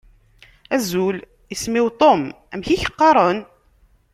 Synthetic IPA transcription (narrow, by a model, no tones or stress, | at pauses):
æzul | jəsmiwt̪ˤom | æmçiçə̥qːɑɾˤən